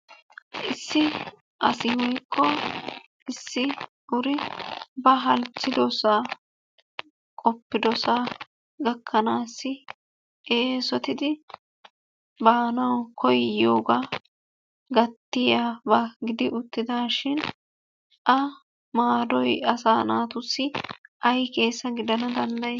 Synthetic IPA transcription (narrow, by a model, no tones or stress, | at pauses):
ʔɪsːɪ | ʔɐsɪwɔjkʰːɔ | ɪsːɪ | ʊɾɪbɐɦɐlt͡sːɪd̪ɔsaː | kʼɔpːɪd̪ɔsaː | ɡɐkʰːɐnaːsːɪ | eːsɔt̪ɪd̪ɪ | baːnɐwkʰɔjoːɡaː | ɡɐt̪ːɪjaːbɐɡɪd̪ɪʔʊt̪ːɪd̪aːʃɪn | ʔɐ | maːd̪ɔjɐsaːnaːt̪ʊsːɪʔɐjke̞ːsːɐɡɪd̪ɐnɐd̪ɐnd̪ɐj